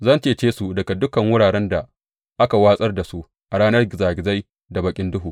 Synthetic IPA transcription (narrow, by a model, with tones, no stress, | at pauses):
zɐ˦˨nt͡ʃeː˦t͡ʃeː˦su˨dɐ˨ɡa˨dʊ˦kɐ˨ŋwʊ˦ɽaː˨ɽɛ˦nda˨ | ʔa˦ka˨waː˦sʼɐ˦rda˨su˦ | ʔa˨ɽaː˦nɐ˦rɡʲɪ˨zaː˨ɡʲɪ˨za˦j | da˨bɐ˨kʲʼɪ˦ndʊ˦ɦuː˨